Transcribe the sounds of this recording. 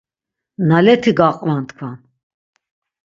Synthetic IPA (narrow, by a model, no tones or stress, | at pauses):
nalɛt̪ʰiɡaqʼvant̪ʰkʰvan